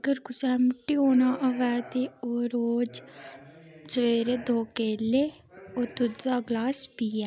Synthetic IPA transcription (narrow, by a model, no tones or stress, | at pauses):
əɡəɾkʊsɛːmʊʈːiːoːnaːʔəʋɛːt̪eːoːɾoːd͡ʒ | d͡ʒəʋeːɾeːd̪oːkeːleː | oːt̪ʊd̪d̪aːɡlaːspiːɛː